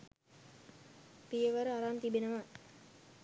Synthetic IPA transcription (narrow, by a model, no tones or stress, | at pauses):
pijəʋəɾəaɾant̪ibenəʋa